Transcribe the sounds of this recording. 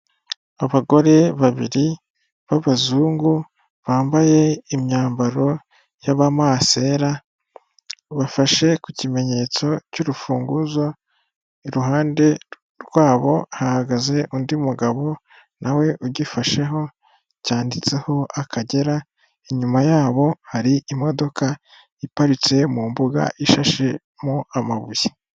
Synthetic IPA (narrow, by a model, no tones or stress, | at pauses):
aβaɡo̞ɾe̞βaβiɾi | βaβazuːŋɡu | βaːmbaje̞imɲaːmbaɾo̞ | jaβamaːse̞ːɾa | βafaʃe̞kucime̞ɲe̞t͡so̞cuɾufuːŋɡuzo̞ | iɾuɦaːnde̞ | ɾɡwaːβo̞hahaɡaze̞ʔundiumuɡaβo̞ | nʔawe̞ʔuɟifaʃe̞ɦo̞ | caːndit͡se̞ho̞ʔakʰaɟe̞ɾa | eɲumajaːβo̞haɾiimo̞do̞ka | ipaɾit͡se̞muːmbuɡa̰ʔiʃaʃe̞ | moamaβuje